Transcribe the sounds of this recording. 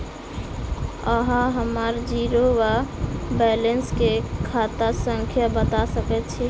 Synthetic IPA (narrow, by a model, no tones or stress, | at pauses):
əɦãɦəmaɾd͡ʒiːɾowabɛlenskekʰat̪asəŋkʰjabət̪asəkɛt̪̚t͡ʃʰi